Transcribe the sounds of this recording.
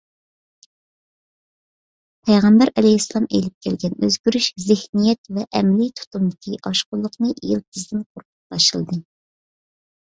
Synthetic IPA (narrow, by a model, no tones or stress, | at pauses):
pʰɛjʁɛmbæɾɛlɛhisːlˠɑmḛjlɪp̚kʲʰɛlɡʲɛnøzɡʲyɾyʃzɪhnijɛt̪vɛʔɛmlit̪ʰu̥t̪umd̪ɪkʲʰiʔɑʃqʊlˠːʊqnɨʔjɪlˠt̪ʰɨzd̪ɪnqʰoɾqʰʊ̥t̪̚b̪ɑʃɨlˠd̪ɨ